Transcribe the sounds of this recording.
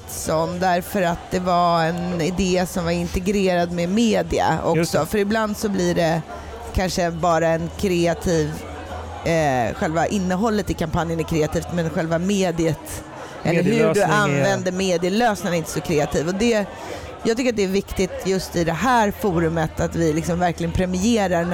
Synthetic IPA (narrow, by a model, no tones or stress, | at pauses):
sɔnd̪æɾfœɾat̪̚d̪ɛvaɛnɪd̪eːsɔmvaɾɪnt̪ɛɡɾeːɾad̪mɛmeːd̪ɪa̰ʔɔ̰ksɔfœɾɪbland̪sɔbliːɖɛ | kʰanʂəbɑːɾaɛnkʰɾɛːat̪ʰiːv | ɧɛlvaʔɪnːəɦɔlːət̪ɪkʰampanjənæɾkʰɾeːat̪ʰiːft̪mɛnɧɛlvameːd̪ɪət̪ | ʔɛlːɾhɵɖɵanvɛnd̪əɾmeːd̪ɪəløːsnɪnɾɪnt̪ə̥sɔkʰɾeːat̪ʰiːvɔd̪ɛ | jɑːɡ̚t̪ʏkːɾat̪̚d̪ɛːɾvɪkt̪ɪt̪jɵst̪ɪd̪ɛɦæːɾfɔːɾɵmət̪at̪vɪlɪksɔmvæɾklɪɡənpʰɾɛmɪeːɾaɾ